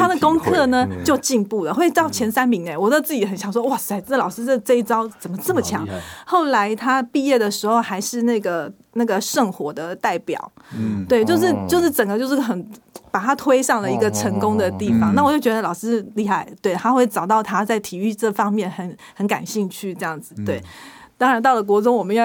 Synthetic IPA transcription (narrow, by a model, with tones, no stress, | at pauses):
t̪ʰa˥d̪ə˨kʊ˥ŋkʰɤ˥˩nə˩t͡ɕjo˥˧ʊt͡ɕi˥˧ŋpu˥˩lə˩xwe˥˩ɪt̪ɑ˥˩ʊt͡ɕʰjɛ˧˥nsa˥nmi˧˥ŋnɛ˧˦nwɔ˨˩t͡st͡sɹ̩˥˩t͡ɕi˨˩˥xə˨˩njɑ˨˩ŋʂ̬wɔ˥wa˥˩ʂ̩˧˩a˧˥t͡sə˩lɑ˨˩ʊʂɹ̩˥˧ʈ͡ʂɤ˥˧i˥t͡sɑ˥ʊt͡sə˨˩mə˦ʈ͡ʂə˥˩mə˩t͡ɕʰjɑ˧˥˦ŋxo˥˩ʊla˧˥ɪt̪ʰa˥pi˥˧jɛ˥˩d̪ə˩ʂɻ̩˧˥xo˥˧ʊxa˧˥ɪʂɻ̩˥˧na˥˩ɡə˩ | na˥˩ɡə˩ʂə˥˩ŋxwɔ˧˥d̪ə˧t̪a˥˩ɪpjɑ̰˨˩˦ʊ | t̪we˥˩ɪt͡ɕjo˥˧ʊʂ̬ɻ̩˥˧t͡ɕjo˥˧ʊʂɻ̩˥˩ʈ͡ʂə˨˩ŋɡə˦t͡ɕjo˥˧ʊʂɻ̩˥˩xə˨˩˦n | pa˨˩t̪ʰa˥t̪ʰwe˥ɪʂɑ˥˩ŋlə˩i˧˥ɡə˧ʈ͡ʂʰə˧˥ŋkʊ˥ŋd̪ə˨t̪i˥˩fɑ˨˩ŋna˥˩wɔ˨˩t͡ɕjo˥˩ʊt͡ɕɥɛ˧˥ə˧lɑ˨˩ʊʂɻ̩˥li˥˧˩xa˥˩ɪt̪we˥˩ɪt̪ʰa˥xwe˥˩ɪʈ͡ʂɑ˨˩ʊt̪ɑ˥˩ʊt̪ʰa˥t͡sa˥˩ɪt̪ʰi˨˩y˥˧ʈ͡ʂɤ˥˩fɑ˥ŋmjɛ˥˩nxə˧˥n | xə˧˥nka̰˨˩nɕi˥˧ŋt͡ɕʰy˥˧ʈ͡ʂɤ˥˧jɑ˥˩ŋd͡zɹ̩˨˩t̪we˥˩ɪt̪ɑ˥ŋɻa˧˥nt̪ɑ˥˩ʊlə˨˩k̬wɔ˧˥t͡sʊ˥ŋwɔ˨˩mə˧˦nj